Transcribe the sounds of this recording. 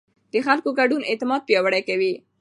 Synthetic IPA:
d̪̥əxalkoɡaɖunɪt̪ɪmɑd̪̚pjɑwaɽajkawi

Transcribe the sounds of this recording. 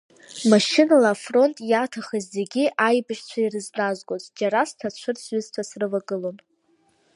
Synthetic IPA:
maʃɪnalaːfro̞ntʼjatʰaχazːeɡʲiʔajbɨʃt͡ɕʷʰairɨznazɡʼozʼd͡ʒaɾastʰat͡ʃʷʰɨrsɥʏztʷʰasrɨvaɡɨlo̞n

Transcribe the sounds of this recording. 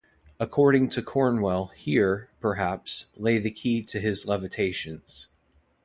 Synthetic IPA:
əkʰɔɹɾɪ̃ŋtʰɨkʰɔɹnwɛlˠhiɹpʰə˞ɦæpsleɪðɨkʰiɾɨɪzlɛvɨtʰeɪʃɨ̃nz̥

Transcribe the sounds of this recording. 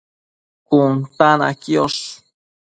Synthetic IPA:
kunt̪ana̰kjos

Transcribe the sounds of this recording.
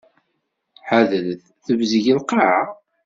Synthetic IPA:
ħaðəlθ | θəvzəʝəlqɑʕa

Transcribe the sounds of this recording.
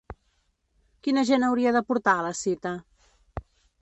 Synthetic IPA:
kinəʒenəwɾiəðəpuɾt̪aləsit̪ə

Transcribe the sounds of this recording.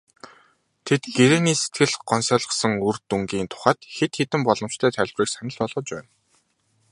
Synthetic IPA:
t̪ʰet̪ɡeɾeːniːset̪ɡɘ̆ɮɢ̥ɔnsœːɮə̆qsə̆ŋurt̪uŋɡiːnt̪ʰʊ̥χæːt̪xet̪xet̪ɘ̆mpɔɮɞ̆m̥t͡ɕt̪ʰæːt̪ʰæɮʲwriːksanʲɘ̆ɮpɔɮʁɞ̆t͡ɕpæːn

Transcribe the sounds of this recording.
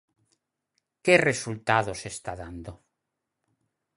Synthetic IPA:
keresult̪aðosest̪aðand̪o

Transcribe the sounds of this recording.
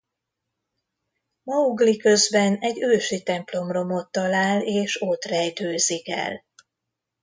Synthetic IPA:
mɒuɡlikø̞zbɛnɛɟøːʃit̪ɛmplo̞mro̞mo̞t̪ːɒlaːleːʃot̪rɛjt̪øːzikɛ̰l

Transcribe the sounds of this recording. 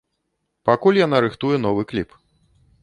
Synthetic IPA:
pakulʲjanaɾɨxt̪ujɛn̪ɔvɨklʲip

